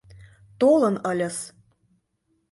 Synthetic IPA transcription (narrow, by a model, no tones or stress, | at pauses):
t̪olɤ̆nɤ̆lʲɤ̆s